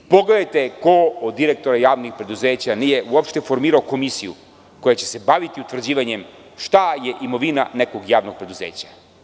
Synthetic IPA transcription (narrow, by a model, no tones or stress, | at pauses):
poɡle̞d̪ajt̪e̞kood̪ːiɾek̚t̪o̞ɾajaːʋnixpɾe̞d̪uzeːt͡ɕanijeʔuopʃt̪e̞fo̞ɾmiːɾaoko̞misijṵ | ko̞jat͡ɕe̞̥se̞baʋit̪iut̪ʋr̩d͡ʑiːʋaɲe̞m | ʃt̪ajeʔimo̞ʋinane̞koɡjaːʋno̞ɡ̚pɾe̞d̪uzḛːt͡ɕḁ